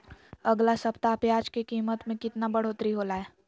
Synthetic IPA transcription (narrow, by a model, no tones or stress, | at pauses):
ɐɡlasɐpt̪apjaːd͡ʒkekiːmət̪mẽkɪt̪nabəɽ̤oːt̪ɾiɦoːlaɦɛː